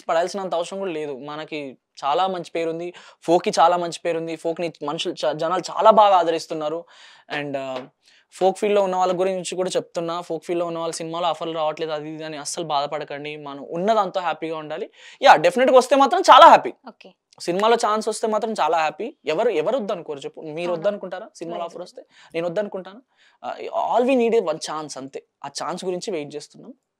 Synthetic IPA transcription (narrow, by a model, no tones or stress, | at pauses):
pɐɽɐɐlsinɐnt̪ɐʋɐʂɐɽɐŋkuːɽale̞ːd̪umɐnɐki | t͡ʃaːlaːmɐɲt͡ʃi̥pe̞ːɾund̪ipʰo̞ːkit͡ʃaːlaːmɐɲt͡ʃi̥pe̞ːɾund̪ipʰo̞ːknimɐnuʃuld͡ʒɐnaːlut͡ʃa̰ːlaːbaːɡaːd̪ɐɾist̪unːaːɾu | ɐɳɖ | pʰo̞ːkfʰiːɖloːunːɐʋaːɭːɐɡuɾiɲɲt͡ʃikuːɽaːt͡ʃep̚t̪unːaːpʰoːkfʰiːɖloːunːɐʋaːɭːɐsinimaːlo̞ːɐpʰɐɾluɾaːʋɐʈle̞ːd̪uɐd̪iaːniɐsːɐlubaːd̪ɐpɐɽɐkɐɳɖimɐnɐmunːɐd̪aːnt̪o̞ːɦaːpiːɡaːuɳɖaːlijaːɖepʰineʈːɡiʋɐst̪e̞ːmaːt̪ɾɐmt͡ʃaːlaːɦaːpiːoːke | sinimaːlo̞ːt͡ʃaːnsʋɐst̪e̞ːmaːt̪ɾɐmt͡ʃaːlaːɦaːpiɛʋɐɾuɛʋɐɾɔd̪ːɐnukoːɾut͡ʃepːumiːɾɔd̪ːɐnukuɳʈaːɾaːsinimaːloɔːpʰɐɾɐst̪e̞ːne̞ːnɔd̪ːɐnukuɳʈaːnṵ | a̰ːlʋiːniːɖeʋɐnt͡ʃaːnsɐnt̪eːaːt͡ʃaːnsɡuɾiɲt͡ʃiʋejʈ̚t͡ʃe̞ːst̪unːaːm